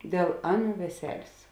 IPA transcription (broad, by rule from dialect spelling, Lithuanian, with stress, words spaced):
dʲeːlˠ ˈɑːˌnuː ʋʲɛˈsʲæːlʲeːs